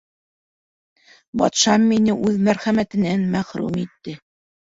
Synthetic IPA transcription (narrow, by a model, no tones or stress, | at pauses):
bɑ̰t̪ʃɑmːinɘʔʉðmæɾχæmæt̪ɘ̆nænmæχɾṵmit̪ːɘ